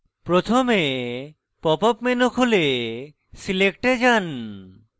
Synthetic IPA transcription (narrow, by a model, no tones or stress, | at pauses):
pɾot̪ʰome | pɔpɔpmenokʰole | silekʈed͡ʑan